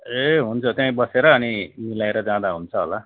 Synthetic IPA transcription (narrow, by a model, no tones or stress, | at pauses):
eɦunt͡sʰʌt̪jãĩbʌseɾʌːnimilaeɾʌd͡zãd̪aɦunt͡sʰʌɦo̰la